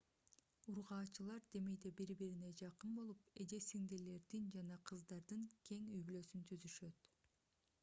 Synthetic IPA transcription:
uɾʁɑːt͡ʃɯlˠɑɾd̪e̞me̞jd̪ebiɾbiɾine̞d͡ʒɑqɯnbo̞lˠupe̞d͡ʒ̪esiŋd̪ele̞ɾd̪ind͡ʒɑnɑqʰɯzd̪ɑɾd̪ɯŋkʲʰe̞ŋyjbylø̞synt̪ʰyzyʃø̞t̪

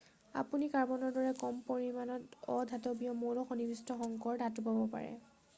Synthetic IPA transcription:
a̰punikaɹbɔnɔɹdɔɹɛkɔmpoɹimanɔtɔd̪ʱatɔbijɔmoɹɔxonibistɔxɔŋkɔɹdatupabɔpa̰ɹɛ̰

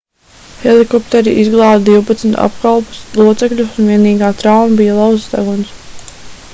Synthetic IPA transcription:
helikɔp̚t̪ɛɾiʔizɡlˠɑːd̪d̪iwpat̪snt̪ʰa̰pkalˠpu̥slˠuɔt̪sɛkʎʲusunviɛniːɡaːt̪ɾawmabijɐlˠawzsd̪a̰ɡɔns

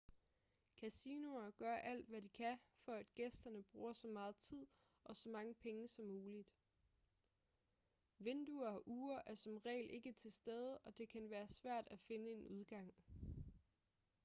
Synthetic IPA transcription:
kʰæsino̝ɐɡ̥ɶɐʔæl̰d̥ʋædikʰæfɒæd̥ɡ̥esd̥ɐnəb̥ʁuːɐsɒ̽mɑ̈ːð̞̩ˠt͡sʰið̰ˠ | ʔɒ̽sɒ̽mɑ̈ŋəpʰeŋəsɒ̽mːuːlid̥ | ʋe̝nd̥uɐɒʔuːɐʔæɐsɒ̽mʁɛ̰ːɪlʔe̝ɡ̥ət͡sʰe̝lsd̥eð̞ˠəʔɒ̽d̥e̝kʰænʋæːɐsʋæɐ̰d̥æfe̝nəe̝nuð̞ˠɡ̥ɑ̈ŋ̰

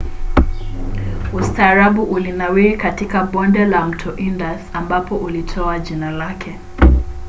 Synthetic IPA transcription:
ustaːɾaɓuʔulinawiikatikaɓɔndɛlam̩tʰɔʔindasambapɔʔulitʰɔaʄinalakʰɛ

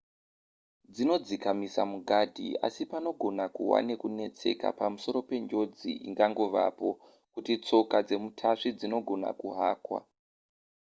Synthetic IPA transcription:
d͡zino̞d͡zikamisamuɡʱadʱḭa̰sipano̞ɡʱo̞nakuwa̰ne̞kune̞t͡se̞̰ka̰pamuso̞ɾo̞pe̞ɲd͡ʒo̞d͡ziʔḭŋɡaŋɡo̞ʋa̰po̞ | kutit͡so̞kad͡ze̞mutʰaʂid͡zino̞ɡʱo̞na̰kuɦaːkwa̰

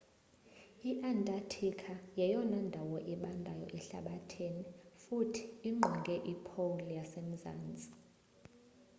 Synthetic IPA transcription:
iʔantʼatʰikʰajɛjɔnɔndʱawɔʔɛɓandʱajɔ̰ʔɛɬa̰ɓatʰenifutʰi̥ːŋ͡ǃʱɔŋɡʱɛʔipʰolijasem̩za̰ːnd͡zʱʼi̥

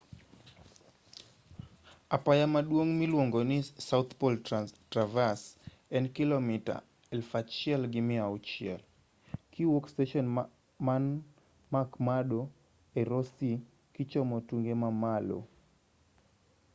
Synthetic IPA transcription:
apajamaɗwoŋmilwoŋɡonɪsawt̪poltravas | ɛnkɪlɔmɪta̰ | ɛlfat͡ʃɪɛlɡɪmɪaut͡ʃɪɛ̰l | kiwokstɛʃɔn | man | makmaɗo | eɾɔsi | kit͡ʃɔmotuŋɡemamalo̰

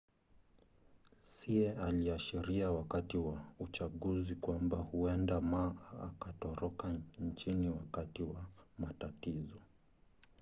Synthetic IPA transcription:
siɛaliaʃiɾiawakatiwaut͡ʃaɠuzikwambahuɛndamaʔːkatɔɾɔkant͡ʃiniwakatiwamatatizɔ

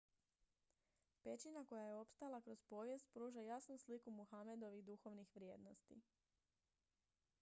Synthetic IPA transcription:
pe̞t͡ɕinako̞jajeo̞pst̪alˠakɾospo̞ːʋje̞st̪̚pɾuːʒajasnuslikumuxame̞d̪o̞ʋiɣd̪uxo̞ʋnixʋɾjeːd̪no̞st̪ḭ

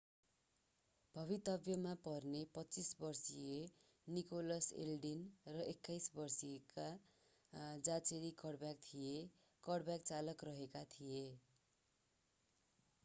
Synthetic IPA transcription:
bʱʌβit̪ʌbjʌmapʌrnepʌt͡sisbʌrsie | nikolʌsḛlɖinrʌʔekːajsbʌrsieka | d͡zat͡seɽikʌɽbjak̚t̪ʰije | kʌɽbjak̚t͡salʌkrʌɦekat̪ʰije

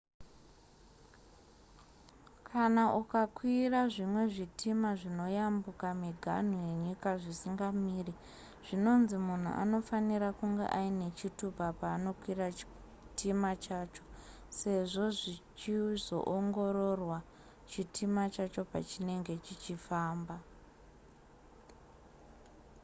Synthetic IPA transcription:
kʰanaʔukakwiraʐimwe̞ʐitʰimaʐino̞jambukamiɡʱa̰n̤uje̞ɲikaʐisiŋɡamiːri | ʐ̥ino̞nzimun̤ṵʔa̰no̞faniɾakuŋɡḛʔaine̞t͡ʃitupapaːno̞kwira | timat͡ʃaːt͡ʃo̞̥ | se̞ʐo̞ʐit͡ʃizo̞̰ʔoŋɡo̞ɾo̞rwa | t͡ʃitʰimat͡ʃat͡ʃo̞pa̰t͡ʃine̞ŋɡe̞t͡ʃit͡ʃifaːmba

